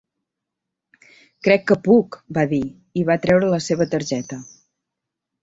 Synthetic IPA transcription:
kɾɛkːəpukbaði | iβat̪ɾɛwɾələseβ̞ət̪əɾʒɛt̪ə

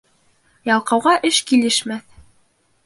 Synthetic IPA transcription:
jɑlˠqɑwʁɑʔɘʃkilɘʃmæθ

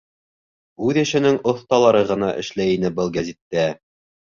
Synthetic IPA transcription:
ʉðæʃɘ̆nɘŋŏθt̪ɑlˠɑɾɤʁɤ̆nɑʔɘ̰̆ʃlæjinɘbɘlˠɡæzit̪ːæ

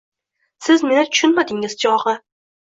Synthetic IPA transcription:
sɪzme̞nɪt̪ʰʊ̥ʃʊnmad̪ɪŋɪzd͡ʒɒʁɨ

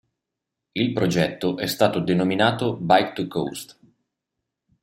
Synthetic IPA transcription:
ilpɾod͡ʒɛt̪ːoʔɛst̪aːt̪od̪enominaːt̪obajkt̪uko̰wst̪

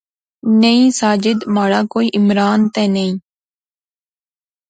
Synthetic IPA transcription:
nəĩːsaːd͡ʒɪd̪maːɽaːkoːiːʔɪmɾaːnt̪ɛ̃ːnəĩː

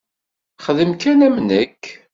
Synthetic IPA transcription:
χəðəmkænæmnəkː

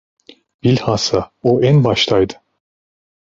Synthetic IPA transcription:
b̥ilʲhasaoʔænbaʃt̪ʰajd̪ɯ̥

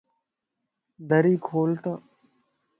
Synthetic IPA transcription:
d̪əɾiːkʰoːlʈ̪ə

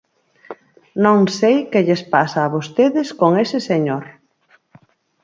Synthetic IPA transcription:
nõŋsejkeʎespasaːβost̪eðɪskoŋesɪseɲoɾ

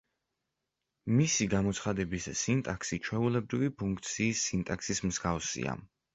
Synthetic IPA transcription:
misiɡamɔt̪sʰχad̪ɛbissint̪ʼaksit͡ʃʰwɛulɛbɾivipʰuŋk̚ʰt̪sʰiːsːint̪ʼaksismzɡafsḭa̰

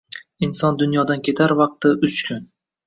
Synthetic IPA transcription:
insɒnd̪ʊnjɒd̪ankʲʰe̞t̪ʰaɾvɑq̚t̪ɪʊt͡ʃkʲʰʊn

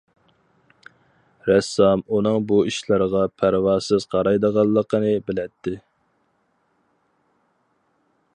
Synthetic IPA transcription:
ɾɛsːɑmunɨŋbuiʃlˠɨɾəʁɑpʰæɾwɑːsɨz̥qʰɑɾɑjd̪əʁɑlˠːəqənɨbɪlɛt̪ʰːɪ

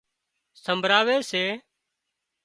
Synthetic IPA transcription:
səmbʱɾaːʋeːseː

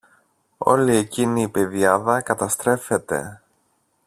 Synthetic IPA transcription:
o̞̰lie̞ciniːpe̞ðjɐðɐkɐt̪ɐst̪ɾe̞fe̞t̪e̞̰

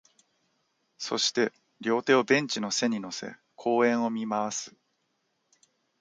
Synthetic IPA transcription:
so̞̰ɕi̥t̪e̞ | ɾʲo̞ːt̪e̞ːo̞bẽ̞ɲ̟t͡ɕino̞se̞ɲ̟ino̞se̞̰ | kʰo̞ːẽ̞ɰ̃o̞mʲimaβasɨ̥

